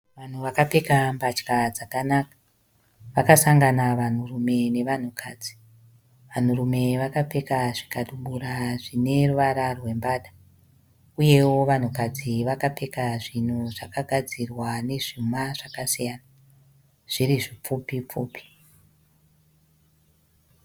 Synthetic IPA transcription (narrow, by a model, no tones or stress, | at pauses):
ʋan̤uʋakape̞kambat͡ʃkad͡zakanakḁ | ʋakasaŋɡanaʋan̤urume̞ne̞ʋan̤ukʰaːd͡zi̥ | ʋan̤urume̞ʋakape̞kaʐikaɗuɓuɾaʐine̞ruʋaɾarwe̞mbaːɗa | uje̞wo̞ʋan̤ukad͡ziʋakape̞kaʐin̤uʐakaɡʱad͡zirwane̞ʐ̥umaʐakasijaːna | ʐ̥iriʐip͡fupip͡fṵːpi̥